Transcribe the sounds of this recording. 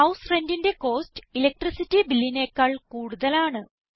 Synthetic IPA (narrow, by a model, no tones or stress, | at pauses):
ɐwsrendinde̞ko̞ːstɨ̥ilek̚ʈrisitːibilːineːkːɐɭkuːɽuðɐlaːɳɨ